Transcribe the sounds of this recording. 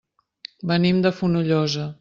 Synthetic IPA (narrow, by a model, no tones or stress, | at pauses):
bənimd̪əfunuʎɔzə